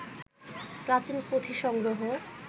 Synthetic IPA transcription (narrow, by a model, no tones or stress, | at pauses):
pɾat͡ɕilpot̪ʰiʃɔŋɡɾoɦo